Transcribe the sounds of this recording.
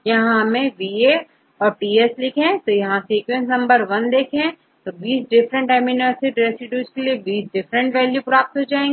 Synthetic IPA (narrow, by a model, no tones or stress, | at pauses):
jɐɦãmẽʋiːe | ɔːɾʈiːeslɪkʰẽt̪ojɐɦãsiːkwẽns̬nɐ̃mbəɾʋɐnd̪eːkʰẽ | t̪obiːsɖɪfɾə̃ɳʈɛːmɪnəːɾsɪɖɾeːsɪʈjuːskeliebiːsɖɪfɾə̃ɳʈʋɛːljupɾaːp̚t̪ɦod͡ʒaːẽːŋɡ